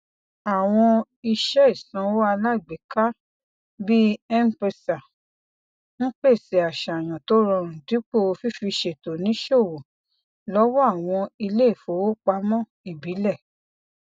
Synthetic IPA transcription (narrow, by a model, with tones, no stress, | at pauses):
a˨w̃ɔ̃˧ | i˧ʃɛ˦i˦˨sã˨˦wa˧la˦i˨ɡ͡be˨˦ka˦ | bi˦ɛ˦m˦pe˧sa˨ | ŋ̩˦k͡pe˦˨si˨˦a˨ʃa˨j̃ã˨to˨˦ɾɔ̃˧ɾ̃ũ˨di˨˦k͡po˦o˧fi˦fi˧ʃe˨to˨nĩ˨˦ʃo˦˨wo˨ | lɔ˦wɔ˦a˦˨w̃ɔ̃˧i˧le˦i˦˨fo˨˦wo˦k͡pa˧˦mɔ̃˦˨ | i˨bi˨˦lɛ˦˨